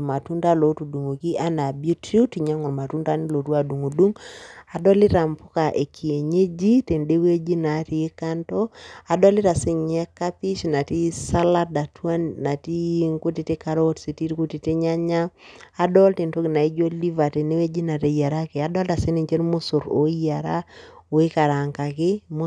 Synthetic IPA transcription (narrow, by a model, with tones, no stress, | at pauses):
ma˨tu˦nta˦lo˨tu˨du˨ŋo˨ki˦ʔa˦na˨bu˦tɾi˦u˦ti˨ɲa˦ŋɔ˨ɾma˨tu˦nda˦ni˦lo˨twa˨du˨ŋu˨du˦ŋa˨dɔ˦li˦ɾa˨mpʊ˦ka˨ʔe˨kʰi˨e˨ɲe˦d͡ʒi˦te˨nde˦we˦d͡ʒi˦na˨˦ti˨˦ka˦ntɔ˦a˨dɔ˦li˦ɾa˨se˦ɲɛ˦ka˦pi˦ʃna˨ti˦sa˦la˦da˨twa˦nːa˨ti˦ŋku˦ti˨te˦ka˦ɾo˦tsi˨ti˦ɾiku˦ti˨te˦ɲa˦ɲa˦a˨dɔ˦lte˨nto˦ki˨na˨i˦d͡ʒo˦li˦va˨te˨ne˦we˦d͡ʒi˦na˨te˨ja˨ɾa˦ke˨a˨˦dɔ˦la˨se˦ni˨ɲt͡ʃe˦nmʊ˦sʊ˨ɾo̰˦ja˨ɾa˦o˨i˦ka˨ɾa˨ŋka˨kɪ˦m